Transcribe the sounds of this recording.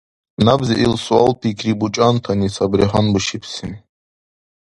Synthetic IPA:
nabziʔilsualpʰikʰɾibut͡ʃʼant̪ʰanisabɾiɦanbuʃipʰsin

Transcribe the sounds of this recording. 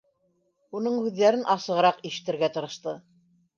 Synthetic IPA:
unɤɴhʉðːæɾɘnʔɑsɤ̆ʁɤ̆ɾɑqiʃɘ̥̆t̪ɘ̆ɾɡæt̪ɤ̆ɾɤ̆ʃt̪ɤ

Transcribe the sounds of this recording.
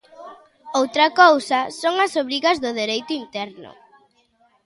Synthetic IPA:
owt̪ɾɐkowsɐsoŋɐsoβɾiɣɐzðʊðeɾejt̪ʊint̪ɛɾnʊ̰

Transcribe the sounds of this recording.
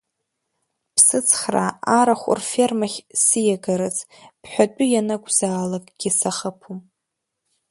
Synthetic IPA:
pʰsɨt͡sʰχra̰aɾaχʷʊ̰rfermaχʲsɨjaɡaɾɨt͡sʼ | pʰħʷᶣat͡pʷʼʊjanakʷʼzaːlakʼɡ̥ʲisaχəpʰu

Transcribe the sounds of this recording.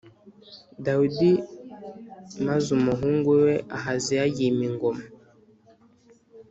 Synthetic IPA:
daudi | mazumɔɦuŋɡɛwɛʔaɦaziajimiŋɡɔm

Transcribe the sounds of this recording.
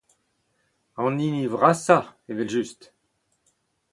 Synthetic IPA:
ɑ̃ninivʁasaevɛlʒyst̪

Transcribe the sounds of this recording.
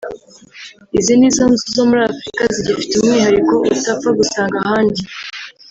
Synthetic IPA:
iziniːzanzuzo̞muɾaːfɾikaziɟifi̥tumŋiːɦaɾiko̞ʔutafaɡusaːŋɡahaːnɟi

